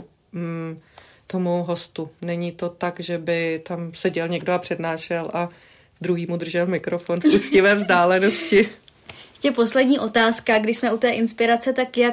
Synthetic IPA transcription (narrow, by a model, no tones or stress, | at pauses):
t̪omowɦo̞st̪unɛɲit̪o̞t̪akʒɛbɪt̪amsɛɟɛlɲɛɡdoapr̝̥ɛdnaːʃɛlʔa | d̪ɾuɦiːmud̪r̩ʒɛlmɪkɾo̞fo̞nfut͡scɪvɛːvzdaːlɛno̞scɪ | jɛʃcɛpo̞slɛdɲiːʔo̞t̪aːskaɡdɪʃsmɛʔut̪ɛːʔɪnspɪɾat͡sɛt̪akja